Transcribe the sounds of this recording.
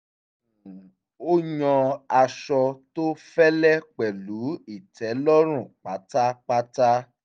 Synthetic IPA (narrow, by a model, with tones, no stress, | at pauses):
o˦jɔ̃˧a˧ʃɔ˧to˦fɛ˦lɛ˦k͡pɛ˨lu˨˦i˦˨tɛ˨˦lɔ˦ɾ̃ũ˦˨k͡pa˨˦ta˦k͡pa˦ta˦